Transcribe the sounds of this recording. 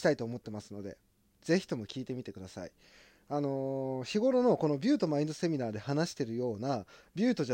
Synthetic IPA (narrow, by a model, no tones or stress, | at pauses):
t̪ait̪o̞ːmo̞t̪ːe̞masɨno̞d̪e̞̰ | z̥e̞çʲi̥t̪o̞mo̞kʲiːt̪e̞mʲit̪e̞kɯ̟d̪asa̰ḭ | ano̞çiɡo̞ɾo̞no̞ko̞no̞bʲɨːt̪o̞maĩnd̪ose̞mʲinaːd̪e̞hanaɕi̥t̪e̞ɾɯ̟jo̞ːnabʲɨ̟ːt̪o̞ʑa